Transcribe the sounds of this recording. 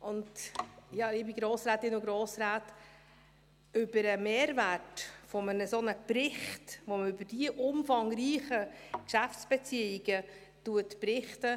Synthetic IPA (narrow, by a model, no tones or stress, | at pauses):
ʔʊndjɑːɪbɪɡɾoːsɾaːt̪ɪnʊɡɾoːsɾaːt | ʏbəɾəmeːɾvætfɔmənəsonəprɪχtʋoməʏbəɾd̥iəʔʊmfɑŋɾiːχəkʃæftsb̥ɛt͡siɪɡ̥ə | tuətpɾɪχtə